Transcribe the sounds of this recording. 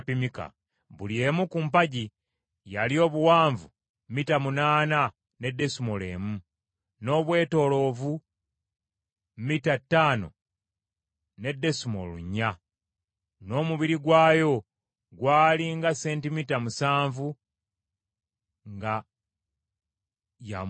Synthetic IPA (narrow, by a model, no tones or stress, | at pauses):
pimika̰ | βulje̞ːmukuːmpaɟi | jalio̞ːβuwaːɱvu | mmitamunaːna | ne̞dːe̞sumole̞̰ːmu | no̞βwe̞ːto̞ːlo̞ːvu | mitatːaːno̞̰ | ne̞dːe̞sumo̞̰lṵɲːa | no̞ːmuβiɾiɡwaːjo̞ | ɡwaːliŋɡase̞ːntimitamusaːɱvu | ŋɡa | ja̰